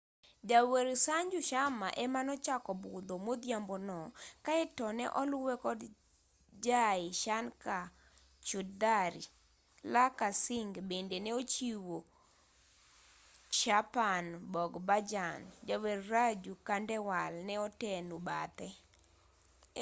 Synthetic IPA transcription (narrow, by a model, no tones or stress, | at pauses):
d͡ʒaweɾsaɲd͡ʒuʃama̰ʔɛmanɔt͡ʃakɔbʊd̪omod̪jambɔnɔkaɛtɔnɛ̰ʔɔlʊwɛkɔd | d͡ʒaɪʃanka | t͡ʃudaɾi | lakasɪŋɡbendenɛot͡ʃiwo | ʃapanbɔɡbad͡ʒand͡ʒaweɾrad͡ʒukandɛwalnɛɔtɛnubat̪ɛ